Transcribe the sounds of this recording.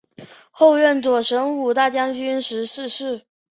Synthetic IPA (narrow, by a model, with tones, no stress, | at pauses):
xo˥˧ʊɥɛ˥˩nt͡swɔ˨˩ʂə˧˥ŋu˨˩t̪a˥˩t͡ɕjɑ˥ŋt͡ɕy˥nʂɻ̩˧˥ʂɻ̩˥˧ʂɻ̩˥˩